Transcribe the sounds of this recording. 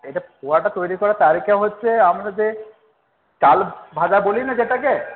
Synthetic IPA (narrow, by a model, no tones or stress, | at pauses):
ejʈaoaʈat̪ojɾikɔɾat̪aɾikʰaɦotːʃʰeamɾad͡ʑe | kalbʱad͡ʒabolinad͡ʑeʈake